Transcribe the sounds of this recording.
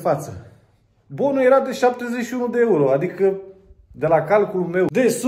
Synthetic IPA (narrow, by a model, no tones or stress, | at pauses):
fat̪sə̰ | bo̞nulje̞ɾad̪e̞ʃap̚t̪e̞zet͡ʃʃiunud̪eeuɾo̞ad̪ikə | d̪e̞lakalkululme̞wd̪es